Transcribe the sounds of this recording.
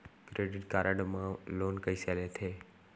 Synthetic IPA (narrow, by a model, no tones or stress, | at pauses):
kɾeːɖɪʈkaːɾəɖmãloːnkəiselet̪ʰeː